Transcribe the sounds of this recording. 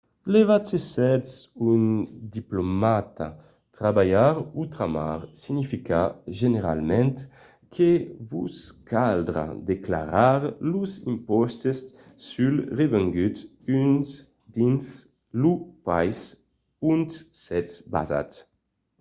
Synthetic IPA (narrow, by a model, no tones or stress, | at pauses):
levat̪sesɛt̪sund̪iplomat̪a | t̪ɾabajaɾut̪ɾama̰ʁsiɲifikaʒeneɾa̰lmɛnt̪ | kʰevuskʰald̪ɾa̰d̪ekla̰ɾaɾluzḭmpɔst̪es | sylrevɛŋɡyt̪ | yns | d̪ins | lupajs | ynssɛt̪sba̰za̰t̪